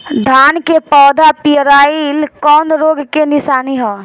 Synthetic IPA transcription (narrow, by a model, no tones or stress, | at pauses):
ɖ̪ʱaːnkepɔːd̪ʱapijɾaːilkɔːnɾoːɡkenɪsaːniɦɔː